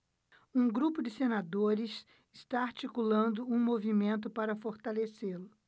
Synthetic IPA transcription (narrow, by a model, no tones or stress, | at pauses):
ũɡɾupʊd͡ʒɪsenad̪oɾɪs | ɪst̪aaɾt͡ʃikulɐ̃nd̪ʊũmovimẽnt̪ʊpaɾɐfoɾt̪aleselʊ